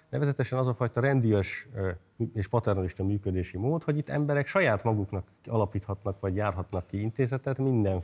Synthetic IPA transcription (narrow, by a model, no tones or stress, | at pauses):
nɛ̰vɛzɛt̪ɛʃɛnɒzɒfɒjt̪ɒɾɛnd̪ijøʃ | eːʃpɒt̪ɛrnɒliʃt̪ɒmyːkød̪eːʃimoːt̪ho̞ɟit̪ːɛ̰mbɛɾɛkʃɒjaːt̪mɒɡuknɒk | ɒlɒpiːt̪hɒt̪nɒkʋɒɟjaːrɦɒt̪nɒkːiint̪eːzɛt̪ɛt̪mind̪ɛn